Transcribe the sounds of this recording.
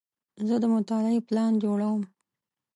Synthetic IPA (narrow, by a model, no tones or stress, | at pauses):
zəd̪əmʊt̪ɑlaeplɑnd͡ʒoɽawəm